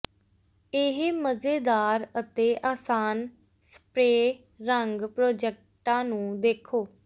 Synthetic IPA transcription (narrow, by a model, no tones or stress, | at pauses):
ɪɦməzeːd̪aːɾət̪eːʔaːsaːn | sə̥pɾeː | ɾəŋɡpɾoːd͡ʒɛk̚ʈãːnũːd̪eːkʰoː